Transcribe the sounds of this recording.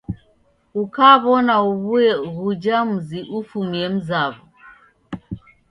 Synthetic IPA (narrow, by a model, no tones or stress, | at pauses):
ukaβɔnauβuɛɣud͡ʒam̩ziʔufumɛm̩zaβu